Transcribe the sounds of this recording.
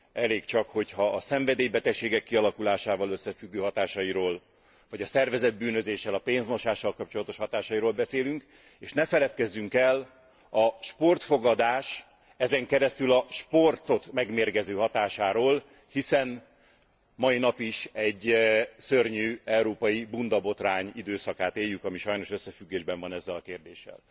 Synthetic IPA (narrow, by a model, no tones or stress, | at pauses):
ɛleːkt͡ʃɒkho̞chɒʔːsɛɱvɛd̪eːjbɛt̪ɛkʃeːɡɛkːiɒlɒkulaːʃaːvɒløsːɛfyɡːøːɦɒt̪aːʃɒjiɾoːl | vɒɟɒsɛrvɛzɛd̪̚byːnø̞zeːʃːɛlɒpeːnzmoʃaːʃːɒlkɒp̚t͡ʃo̞lɒt̪o̞ʃhɒt̪aːʃɒjiɾoːlbɛseːlyŋk | eːʃnɛfɛlɛt̪kɛzːyŋkɛl | ɒʃpo̞rt̪foɡɒd̪aːʃ | ɛzɛŋkɛɾɛst̪ylɒʃpo̞rt̪o̞t̪mɛɡmeːrɡɛzøːɦɒt̪aːʃaːɾoːl | hisɛn | mɒinɒpiʃɛɟːsørɲyːɛuɾoːpɒjibund̪ɒbo̞t̪raːɲid̪øːsɒkaːt̪eːjːykɒmiʃɒjno̞ʃø̞sːɛfyɡːeːʒbɛɱvɒnɛzːɛlɒkeːrd̪eːʃːɛ̰l